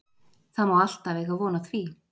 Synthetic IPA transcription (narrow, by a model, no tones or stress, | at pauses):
θamawal̥t̪avɛɣavɔːnaθviː